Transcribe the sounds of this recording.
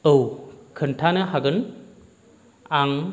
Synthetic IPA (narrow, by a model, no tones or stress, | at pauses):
əwkʰɯntʰanɐhaɡɯn | aŋ